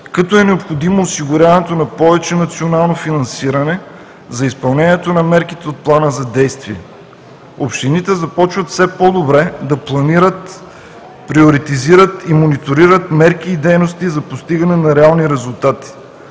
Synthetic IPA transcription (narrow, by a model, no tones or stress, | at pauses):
kɐt̪ɔɛnɛopxod̪imoːsiɡʊɾʲjavɐnɛt̪onɐpɔvɛt͡ʃɛnɐt̪sionalˠnofinɐnsiɾɐnɛ | zɐispɐlˠnɛnʲiɛt̪onɐmɛɾkit̪ɛot̪̚plˠanəzɐd̪ɛjst̪viɛ | opʃt̪init̪ɛzɐpɔt͡ʃvɐt̪fsɛpɔd̪obɾɛd̪ɐplˠɐniɾət̪ | pɾioɾit̪iziɾət̪imonit̪oɾiɾət̪mɛɾkiːd̪ɛjnost̪izɐpost̪iɡɐnɛnɐɾɛalˠniɾɛzulˠt̪at̪i̥